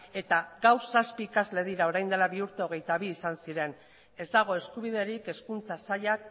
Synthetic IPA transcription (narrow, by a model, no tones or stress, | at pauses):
e̞t̪aɡawsaspiːkazle̞ð̞iɾao̞ɾajnd̪e̞laβiuɾt̪eo̞ɣ̞e̞jt̪aβ̞iːsansiɾe̞n | e̞zd̪aɣ̞o̞e̞skuβ̞ið̞e̞ɾike̞skunt͡sasaʎak